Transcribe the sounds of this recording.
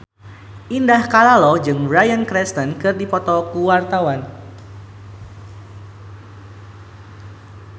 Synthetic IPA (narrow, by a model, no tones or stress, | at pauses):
ʔindahkalalɔd͡ʒɨŋbɾajankɾɛst̪ənkɨrdipɔt̪ɔkuwart̪awan